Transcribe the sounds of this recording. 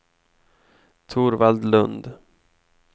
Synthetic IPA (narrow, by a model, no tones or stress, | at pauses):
t̪ʰuːɾvald̪lɵnd̪